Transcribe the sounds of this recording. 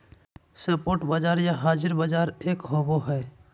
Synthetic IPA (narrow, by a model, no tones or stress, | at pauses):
səpoːɾʈbəd͡ʒaːɾjaɦaːd͡ʒɪɾbəd͡ʒaːɾeːkɦoboɦɛː